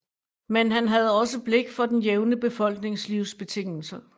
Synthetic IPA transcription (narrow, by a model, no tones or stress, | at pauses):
menɦænɦæð̞ˠɒ̽s̬əb̥le̝ɡ̥fɒ̽d̥enjeʊnəb̥e̝fɒ̽l̰ɡ̥ne̝ŋsliʊ̰sb̥e̝t͡sʰe̝ŋ̰l̩sə